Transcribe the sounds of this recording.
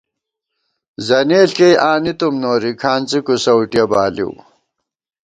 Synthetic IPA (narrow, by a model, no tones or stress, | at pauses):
zɐneːɬkejʔaːnit̪umnoːɾikʰaːnt͡sikusɐwʈjɐbaːlḭw